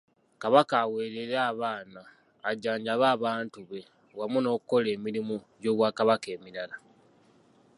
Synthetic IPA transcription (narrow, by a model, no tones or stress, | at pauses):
kaβakaːwe̞ːɾeɾaːβaːnaː | ɟaːɲɟaβaːβaːntuβe̞ | wamuno̞ːkuko̞le̞ːmiɾimuɟo̞ːβwaːkaβake̞ːmiɾala